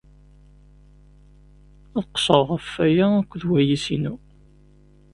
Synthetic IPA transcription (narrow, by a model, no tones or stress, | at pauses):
æðqsˤəʁˤʁəfːæjæækʷːðwæjisinu